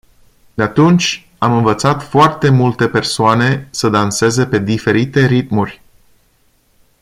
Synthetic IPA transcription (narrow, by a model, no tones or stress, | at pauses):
d̪eat̪unt͡ʃʲ | amɨnvət̪sat̪foart̪e̞mult̪e̞pe̞rsoane̞səd̪anse̞ze̞pe̞d̪ife̞ɾit̪e̞ɾit̪̚murʲ